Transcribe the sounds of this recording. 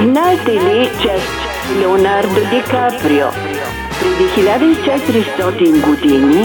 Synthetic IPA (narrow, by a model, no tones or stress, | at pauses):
znaɛt̪ɛlit͡ʃɛst͡ʃɛmilɛonaɾd̪od̪ɛkapɾio̰ | pɾɛd̪ixilʲad̪əit͡ʃɛt̪iɾist̪ɔt̪inɡod̪ini